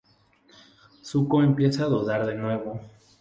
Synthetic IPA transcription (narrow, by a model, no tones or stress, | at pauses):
sukoempje̞saːðoðaɾðe̞nwe̞βo̞